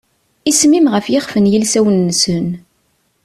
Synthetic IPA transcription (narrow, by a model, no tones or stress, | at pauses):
ismimʁəfjɪχfənjəlsæwənːsən